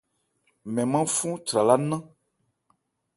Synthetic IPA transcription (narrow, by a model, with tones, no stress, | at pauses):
mɛ̃˨mã˦fũ˦t͡ʃɾa˨la˦nã˦